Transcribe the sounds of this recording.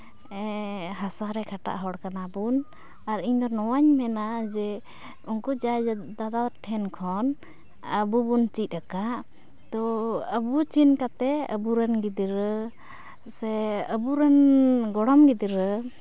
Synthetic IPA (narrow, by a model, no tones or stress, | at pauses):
ɛɦasaɾɛkʰaʈa̰ʔɦɔɽkanabun | aɾiɲd̪ɔɾnɔwaɲmɛnad͡ʒɛ | unkud͡ʒajd̪ad̪aʈʰɛnkʰɔn | əbubunt͡ʃic̪̚ˀakaʔ | t̪ɔəbut͡ʃinkat̪ɛə̰buɾɛnɡid̪iɾə | sɛəbuɾɛnɡɔɽɔmɡid̪iɾə